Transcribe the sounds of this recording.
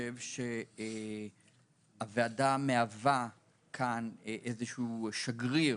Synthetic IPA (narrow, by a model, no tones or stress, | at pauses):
evʃe | aveadameava | kʰanʔezeʃuːʃaɡʁi